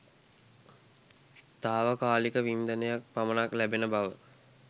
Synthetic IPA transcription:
t̪aːʋəkaːlikəʋind̪ənəjak̚pamənaklæbenəbaʋə

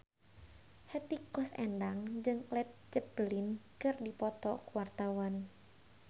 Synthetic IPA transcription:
hɛt̪ikɔsɛ̰ndaŋd͡ʒɨŋlɛt̪̚d͡ʒəpəlinkɨrdipɔt̪ɔkuwart̪awan

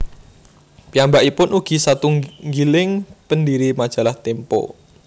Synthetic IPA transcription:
piambaʔipʊnuɡ̥i̤sat̪uŋɡilɪŋpəndiɾimad̥ʒ̥a̤laht̪ɛmpɔ̰

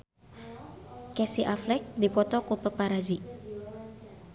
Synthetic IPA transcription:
kɛsiʔaflɛk̚dipɔt̪ɔkupəpaɾazi

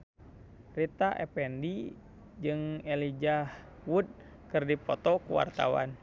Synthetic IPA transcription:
rit̪aʔɛpɛndi | d͡ʒɨŋɛlid͡ʒah | wud̪̚ | kɨrdipɔt̪ɔkuwa̰rt̪a̰wa̰n

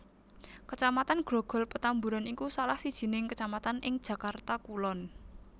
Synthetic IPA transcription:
kət͡ʃamat̪anɡ̥ɾɔɡ̥ɔ̤lpət̪ambuɾanikusalahsid̥ʒ̥i̤nɪŋkət͡ʃamat̪anɪŋd̥ʒ̥ä̤kart̪akulɔn

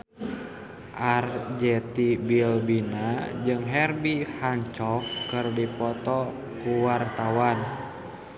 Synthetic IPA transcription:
ʔard͡ʒɛt̪ibilbinad͡ʒɨŋɦɛrbihaɲt͡ʃɔkːɨrdipɔt̪ɔ | kuwart̪awan

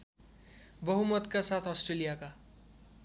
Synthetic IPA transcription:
bʌɦumʌt̪kasat̪ʰʌsʈɾelijaka

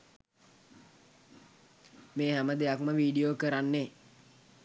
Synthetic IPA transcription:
meːɦæməd̪ejakməʋiːɖijoːkəɾanːe

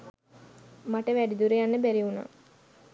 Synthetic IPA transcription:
maʈəʋæɖid̪uɾejanːəbæɾiuna̰ː

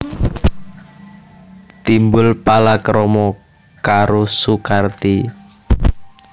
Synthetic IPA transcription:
t̪imbʊlpalakɾɔmɔ | kaɾosukart̪i

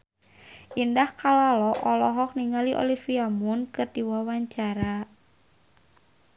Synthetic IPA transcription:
ʔindahkalalɔʔɔlɔɦɔk̚niŋaliʔo̰lifiamunkɨrdiwawaɲt͡ʃaɾa

